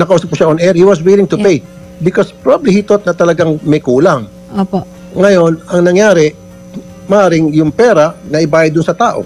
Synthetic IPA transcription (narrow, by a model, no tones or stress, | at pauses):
nɐkɐʔuːsɐp̚kːʊʃaonɛɹhiwɐswɪlɪŋt̪ʊpɛj | bɪkospɾobablihit̪ot̪̚nɐt̪ɐlɐɡaŋmɐjkuːlaŋ | oːpoː | ɐjo̞nɐŋnɐŋjaːɾɛ | mɐʔaːɾɪŋjʊŋpɛːɾɐnɐʔɪbaːjɐd̪ʊnsɐt̪aːʔo̞̰